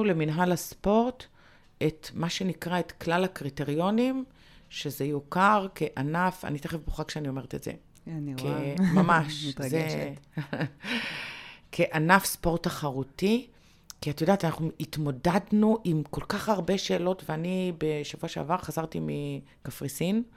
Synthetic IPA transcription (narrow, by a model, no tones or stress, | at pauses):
uleminɦalaspo̞ʁt | etmaʃe̞nikʁaetklalhakʁite̞ʁjo̞nim | ʃezejokaʁkeʔanafa̰nit̪eχevboχakʃeanio̞me̞ʁetetzḛ | nkemamaʃze | kʰeʔanafspo̞ʁtaχaʁuti | kiat̪ajodaːtanaχnuitmo̞dadnuʔimko̞lkaχaʁbe̞ʃe̞ːlo̞tveanibeʃavuaʃa̰vaʁχazaʁtimi | kafʁisin